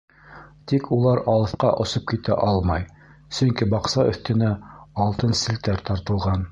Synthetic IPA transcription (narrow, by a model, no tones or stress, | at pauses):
t̪ikʰulˠɑɾɑlˠɤ̆θqɑʔŏsop̚kit̪æ̰ʔɑlˠmɑj | sɵ̆ŋkibɑqsɑɵ̰̆θt̪ɘ̆næɑlˠt̪ɤnsɘ̆lt̪æɾt̪ɑɾt̪ɤ̆lˠʁɑn